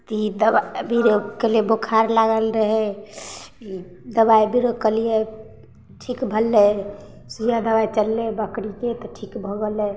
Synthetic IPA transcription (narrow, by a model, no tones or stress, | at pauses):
t̪iid̪əbabiɾokelebokʰaɾlaɡəlɾəɦɛ | d̪əbaibiɾokəlije | ʈʰikbʱəlːe | sujad̪əbait͡ʃəlːebəkɽiket̪ɔʈʰikbʱoɡəle